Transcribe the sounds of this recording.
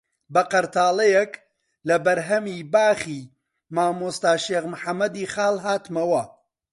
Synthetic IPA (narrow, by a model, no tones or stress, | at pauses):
bɐqɐɾt̪ʰaːlɐjɛk | lɐbɐɾɦɐmiːbaːχiː | maːmoːst̪aːʃeːɣmħɐmːɐd̪iːxaːlˠɦaːt̪mɐwɐ